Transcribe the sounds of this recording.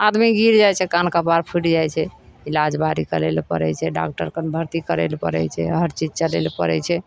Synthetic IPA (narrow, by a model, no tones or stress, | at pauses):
ad̪miɡiɾd͡ʒajt͡ʃʰɛkankapaɾpʰuʈd͡ʒajt͡ʃʰɛilad͡ʒbaɾikəlelpə̰ɾɛ̰t͡ʃʰɛɖa̰k̚ʈəɾkənbʱəɾt̪ikəɾḛlpə̰ɾɛ̰t͡ʃʰɛɦəɾt͡ʃid͡ʒt͡ʃəlḛlpəɾɛ̰t͡ʃʰɛ